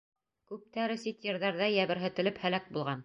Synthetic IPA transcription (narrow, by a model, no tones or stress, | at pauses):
kʉp̚t̪æɾɘsit̪jɤ̆ɾðɑɾðæjæβɘ̆ɾɦɘ̆t̪ɘ̆lɘphælæk̚bulˠʁɑn